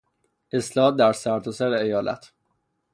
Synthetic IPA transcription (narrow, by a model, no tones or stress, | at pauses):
ʔe̞slɒːɦɒːt̪̚d̪æɾsæɾt̪ʰosæɾeejɒːlæ̰t̪ʰ